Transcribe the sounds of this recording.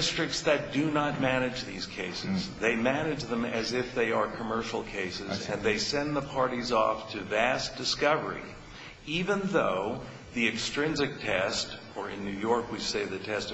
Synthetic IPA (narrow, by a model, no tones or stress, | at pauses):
stɹ̥ɨk̚tsðɨt̚d̥ɨnət̚mæñɨd͡ʒðḭz̥kʰeɪsɨzðeɪmænɨd͡ʒðə̃mɨzɪfðeɪə˞kʰəmɜ˞ʃl̩ˠkʰeɪsɨzɨ̰̃nðeɪsɛ̃nðəpʰɑɹɾizɔ̰ftʰɨvæsd̥ɨskʌvə˞ḭ | ivə̃nðoʊ | ðiɨkstɹ̥ɪ̃nzɨk̚tʰɛst | ə˞ɨ̰̃nːʉjɔɹkwiseɪðɨtʰɛst